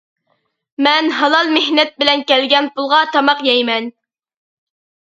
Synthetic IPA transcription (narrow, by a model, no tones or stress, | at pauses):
mɛnɦɑlˠɑlˠmehnɛt̪̚bɪlɛnkʲɛlɡʲɛnpʰulˠʁɑt̪ʰɑmɑqjɛjmɛn